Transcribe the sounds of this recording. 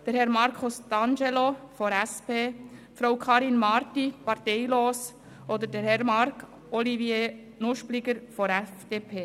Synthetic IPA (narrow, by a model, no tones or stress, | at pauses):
d̥əɾhɛɾmɑɾkʰʊsd̪̥ɑnd͡ʒelofɔɾɛspeː | fɾaʊkʰɑːɾinmɑɾtipɑɾtɛɪloːs | od̪əɾdɛɾhɛɾmɑɾkʰ | ɔlivjeː | nʊʃplɪɡəɾfɔɾɛfd̥eːpʰeː